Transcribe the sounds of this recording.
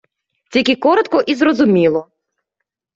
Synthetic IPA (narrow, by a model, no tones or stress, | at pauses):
t͡sʲikʲikɔɾɔt̪kɔʔizɾɔzʊmʲilˠɔ